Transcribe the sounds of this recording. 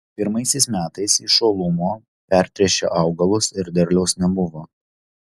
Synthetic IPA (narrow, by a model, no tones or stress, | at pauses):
pʲɪɾmɐɪsʲɛɪsmʲæːt̪ɐɪsɪʃoːlˠʊmoː | pʲɛɾʲt̪ʲɾʲɛʃʲḛʔɑʊɡɐlˠʊsɪɾd̪ʲɛɾʲlʲɛʊsnʲɛbʊʋoː